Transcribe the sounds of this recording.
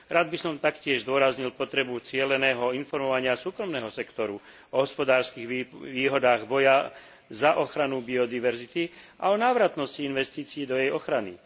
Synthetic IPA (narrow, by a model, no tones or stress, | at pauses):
ɾaːd̪̚bisɔmt̪akcɪɛʒzd̪ʊɔɾazɲilpɔt̪ɾɛbut͡sɪɛlɛnɛːɦɔinfɔɾmɔʋaɲɪasuːkɾɔmnɛːɦɔsɛkt̪ɔɾu | ɔɦɔspɔd̪aːɾskiɣʋiʋiːɦɔd̪aːɣbɔja | zaʔɔxɾanubiɔd̪iʋɛɾzit̪iʔa̰ɔnaːʋɾat̪nɔsciinʋɛst̪iːt͡siːd̪ɔjɛjɔxɾanḭ